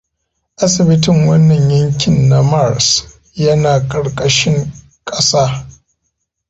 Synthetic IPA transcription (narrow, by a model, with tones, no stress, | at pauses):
ʔa˦sɪ˨bɪ˦tɪ˦˨ŋwɐ˦nːɐ˨ɲjɐ˦ŋkʲɪ˨nːa˦ma˦˨ɾs | jɐ˦naː˨kʼɐ˨ɽkʼɐ˦ʃɪ˦ŋ | kʼɐ˦saː˦